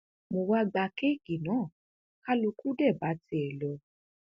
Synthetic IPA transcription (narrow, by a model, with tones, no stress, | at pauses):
mo˧wa˦ɡ͡ba˧ke˦˨ɡi˨nãː˨˦˨ | ka˦lo˧ku˦dɛ˦˨ba˨˦ti˧˦ɛ˨lɔ˧˦